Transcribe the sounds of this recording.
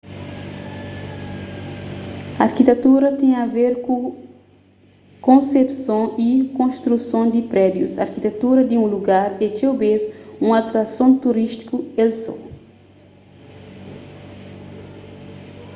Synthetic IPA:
aɾkit̪et̪uɾɐt̪ɛ̃j̃ɐveɾkũ | kõsepsõikõʃt̪ɾusõd̪ipɾɛd̪jusɐ̰ɾkit̪et̪uɾɐd̪iũluɡaɾet̪obezũat̪ɾasõnt̪uɾiʃt̪i̥kuelso̰

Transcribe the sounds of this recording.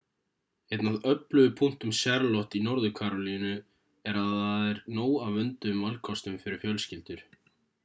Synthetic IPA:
ejt̪naðœplʏɣʏpʰuŋ̥t̪ʏmsjɛɾlɔht̪inɔɾðʏkʰaːɾɔlinʏ | ɛɾaðaðɛɾnoːwawvʏnt̪ʏmvalkʰɔst̪ʏmfɪɾɪɾ̥fjœlscɪlt̪ʏɾ̥

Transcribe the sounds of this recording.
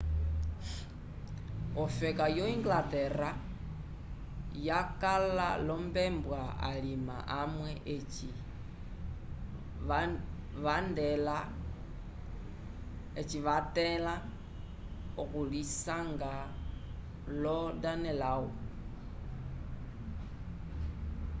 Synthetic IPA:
ɔfɛkajɔiŋɡlatɛra | jakala̰lɔmbɛmbwaa̰lima̰ʔamwɛʔ | i | ʋandɛla | et͡ʃiʋatɛla | okulisaŋɡa | lɔdanɛlawu

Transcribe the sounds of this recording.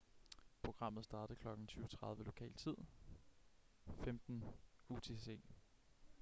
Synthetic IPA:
pʰʁo̝ɡ̥ʁɑ̈m̰ð̩ˠsd̥ɑ̈ːd̥ð̩kʰlɒ̽ɡ̥n̩t͡sʰyːʊət͡sʰʁɑ̈ðˠʋəlo̝kʰɛ̰ːlt͡sʰið̞̰ˠ | femd̥n̩ut͡sʰe̝se̝̰ː

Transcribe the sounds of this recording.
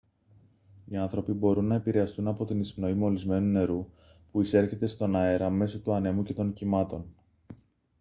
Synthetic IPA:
iɐnθɾo̞pibo̞ɾunːɐe̞piɾe̞ɐst̪unɐpo̞t̪inisno̞imo̞lizme̞nune̞ɾu | puise̞ɾçe̞t̪e̞st̪o̞nɐe̞ɾɐme̞so̞t̪uɐne̞muce̞t̪o̞ncimɐt̪o̞n

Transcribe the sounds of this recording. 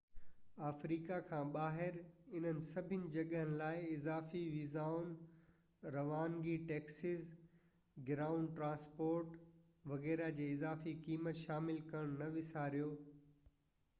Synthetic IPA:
aːfɾiːkakʰãːɓaːɦɪɾɪn̤ənɪ̆sɐbʱɪnɪ̆d͡ʑɐɠɦənɪ̆laːɪɪzaːfiʋiːzaːʊn | ɾɐʋaːnɡiʈɛːksɪz | ɡɪɾaːʊ̃ɳɖʈɾãːspoːɾʈʋɐɣɛːɾad͡ʑeːɪzaːfikiːmət̪ʃaːmɪlkɐɽ̃nɐʋɪsaːɾijoː

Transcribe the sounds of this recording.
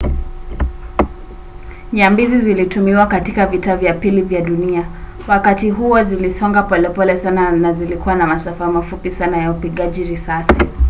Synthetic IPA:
ɲambizizilitumiwakatikavitavjapilivjaɗunia | wakatiɦuɔzilisɔŋɡapɔlɛpɔlɛsananazilikuwanamasafamafupisanajaupiɠaʄiɾisasi

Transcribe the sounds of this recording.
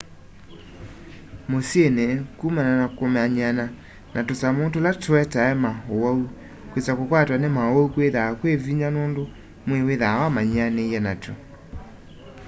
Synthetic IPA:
mosienekumananakomɛaɲana | nʔatosamondolatoɛtaɛmaowɔu | kwet͡sakokwatwanemaoukweðakweviɲanoːndo | mweweðawamaɲanejɛnato̰

